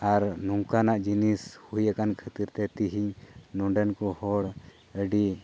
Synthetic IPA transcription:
aɾnɔŋkanaʔd͡ʒinishujakankʰət̪iɾt̪ɛt̪iɦiɲnɔɳɖɛnkɔhɔɽ | əɖi

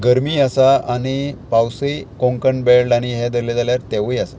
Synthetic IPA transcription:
ɡəɾmiːasaañipawsikõŋkəɳbelɖaɽ̃iɦɛd̪əɾled͡zaljaɾt̪eʋəjasa

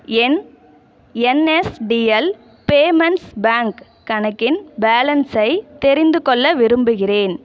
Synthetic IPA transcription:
ɛn | ɛnɛsɖiɐl | peːmɐnsbaːŋkː | ɐɳɐkːɪnbaːlɐnsɐɪt̪ɛɾɪnd̪ɯkɔɭːɐʋɪɾɯmbɯɣɪreːn

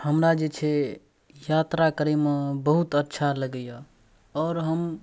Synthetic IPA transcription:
həmɾad͡ʒet͡ʃʰe | jat̪ɾakəɾemebəɦut̪ətːʃʰaləɡəja | ɔːɾɦəm

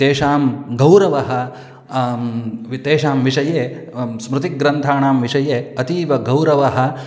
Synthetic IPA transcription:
t̪eːʃaːmɡɐwɾɐʋɐɦɐ̆ | ʋit̪eːʃaːmʋiʂɐjeː | smɾut̪iɡɾɐnt̪ʰaːɳaːmʋiʂɐjeːɐt̪iːʋɐɡɐwɾɐʋɐɦɐ̆

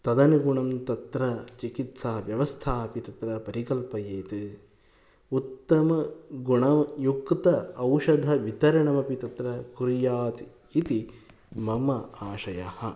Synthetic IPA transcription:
t̪ɐd̪ɐnɐɡuɳɐmt̪ɐt̪ɾɐt͡ʃikit̪saːɐʋjɐʋɐst̪ʰaːpit̪ɐt̪ɾɐpɐɾikɐlpɐjeːt̪ɨ | ut̪ːɐmɐɡuɳɐjukt̪ɐɐwʃɐd̪ʱɐʋit̪ɐɾɐɳɐmɐpit̪ɐt̪ɾɐkuɾjaːt̪ | it̪i | mɐmɐaːʃɐjɐhɐ

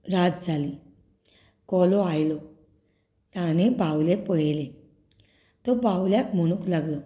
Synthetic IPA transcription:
ɾad͡zd͡zʱali | kɔlɔajlɔ | t̪ãnebawlepɔɦle | t̪ɔbawljakm̤əɽ̃uklaɡlə

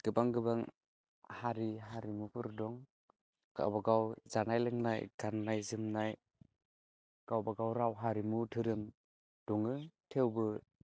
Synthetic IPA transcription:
ɡ̥ɯbaŋɡɯbaŋ | haɾiɦaɾimupʰɯɾdɔŋ | ɡ̥a̰wbaɡawzanajlɯŋnajɡ̥anːajzɯmnaj | ɡ̥awbaɡawɾawɦaɾimutʰɯɾɯm | d̥ɔŋɯtʰewbɯ

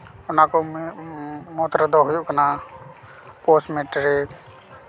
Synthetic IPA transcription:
ʊnako | moːt̪ɾəd̪ʱɔɦʊjukəna | poːsmeʈɾek

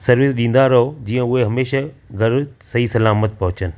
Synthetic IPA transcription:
sɐɾʋɪsɗĩːn̆d̪aːɾɦod͡ʑĩːə̃ʊɦeɦɐmeːʃaɡʱɐɾsɐɦisɐlaːmət̪̚pɐɦʊt͡ɕənɪ̆

